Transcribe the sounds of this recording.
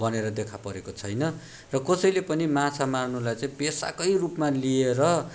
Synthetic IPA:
bʱʌneɾʌd̪ekʰapʌɾekot͡sʰʌjnʌ | rʌkʌsʌjlepʌnimat͡sʰamarnulajt͡saĩpesa̰kʌjrupmalieɾʌ

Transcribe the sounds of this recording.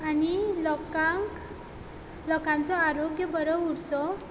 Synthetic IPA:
anilkak | lɔkant͡sɔaɾoɡjəbəɾəuɽt͡sɔ

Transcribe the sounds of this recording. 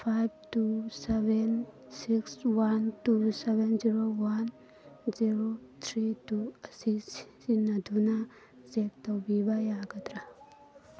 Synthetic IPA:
pʰajb̚ʱtuseben | sikswantusebenziɾowan | ziɾot̪ʰɾituɐsis | inɐd̪ʱuna | zek̚t̪ɐwbibajaːɡɐt̪ɾa

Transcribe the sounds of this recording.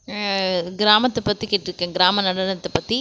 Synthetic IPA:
ɡɪɾaːmɐt̪ːɐpːɐt̪ːikeːʈːɪɾɯkːɐ̃ːɡɪɾaːmɐnɐɽɐnɐt̪ːɐpɐt̪ːi

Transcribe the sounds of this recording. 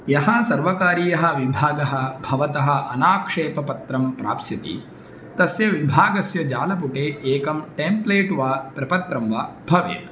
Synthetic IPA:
jɐɦɐsɐɾʋɐkaːɾiːjɐɦɐʋibʱaːɡɐɦɐbʱɐʋɐt̪ɐɦɐ̆ʔɐ̰naːkʂeːpɐpɐt̪ɾɐmpɾa̰ːpsjɐt̪ḭ | t̪ɐsjɐʋibʱaːɡɐsjɐd͡ʒaːlɐpuʈeːeːkɐmʈeːmpleːʈʋaːpɾɐpɐt̪ɾɐmʋaːbʱɐʋḛːt̪

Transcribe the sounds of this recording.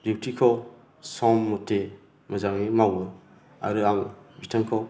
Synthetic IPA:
dip̚tikʰɔw | sɔmːɔte | mɐzaŋimawbɯ | a̰ɾɯaŋbitʰaŋkʰɔ

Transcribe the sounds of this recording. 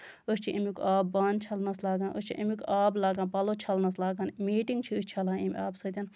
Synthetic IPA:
əst͡ʃʰiʔɐmʲikaːbːaːnt͡ʃʰɐlnɐslaːɡɐːnʔəst͡ʃʰiʔɐmʲukaːblaːɡɐːnpɐlot͡ʃʰɐlnɐslaːɡɐnmiːʈiŋɡt͡ʃʰiəsʲt͡ʃʰɐlãːnimʲaːbsɐt̪ʲɐn

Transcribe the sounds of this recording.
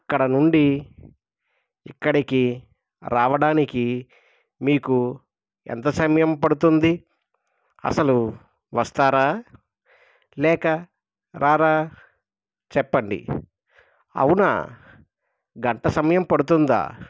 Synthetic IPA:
ɐkːɐɽɐnuɳɖi | ikːɐɽiki | ɾaːʋɐɽaːniki | miːku | ɛ̰nt̪ɐsɐmɐjɐmpɐɽut̪und̪i | ɐ̰sɐlu | ʋɐst̪aːɾaː | lɛːkɐ | ɾʔaːɾaː | t͡ʃɛpːɐɳɖḭ | ɐ̰wunɐ̰ | ɡɐɳʈɐsɐmɐjɐmpɐɽut̪und̪a̰ː

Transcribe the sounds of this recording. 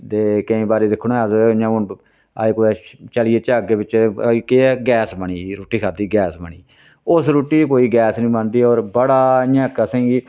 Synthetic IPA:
t̪eːkəĩːbaːɾeːd̪ɪkʰːñɛːzãːʊn | a̰ːekoɛt͡ʃəlɪeːt͡ʃaɡeːbɪt͡ʃːkeɛɡɛːsbəɳiːɾoːʈiːkʰaːd̪iːɡɛːsbəɳiː | ʊsɾuːʈiːkoːiːɡɛːsnĩːband̪iːɔːɾbəɽaːɪjãːkəsɛ̃ːɡiː

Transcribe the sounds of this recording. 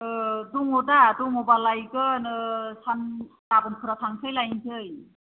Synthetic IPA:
duŋɔdaduŋɔbalajkɯnɯsannabɯnkʰɯɾatʰaŋsʰɯjlajntʰɯj

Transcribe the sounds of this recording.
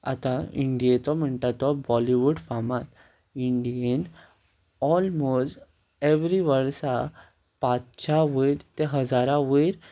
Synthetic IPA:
a̰t̪aiɳɖijet͡sɔm̤əɳʈ̪at̪ːɔbɔliʋuɖfamat̪ | iɳɖijən | ɔlmosʈ | eʋɾiʋəɭsa | pat͡st͡ɕaʋəjɾt̪eɦəd͡zaɾãʋəjɾ

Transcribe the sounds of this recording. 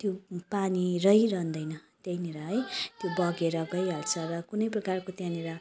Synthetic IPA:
t̪jopanirʌɦjɾʌnd̪ʌjnʌt̪jʌjneɾʌɦʌjt̪jobʌɡeɾʌɡʌjɦʌlt͡sʰʌrʌkunʌjprʌkarkot̪jãneɾʌ

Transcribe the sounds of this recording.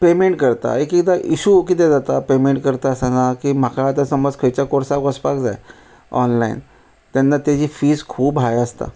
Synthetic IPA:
pemeɳʈkəɾt̪a̰ekikd̪aʔiɕukiːt̪ed͡zat̪apemeɳʈkəɾt̪aəsanakiːm̤akʰaːt̪asəməd͡zkʰəjt͡ɕakoɾsakəspakd͡za̰j | ɔnlaḭn | t̪janːat̪ad͡ʑiːfiːskʰuːbɦajəst̪a̰

